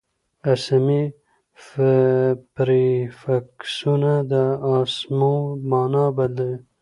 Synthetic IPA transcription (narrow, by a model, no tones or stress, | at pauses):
asami | f | pɾifaksunad̪əɑsmomɑːnɑbad̪ə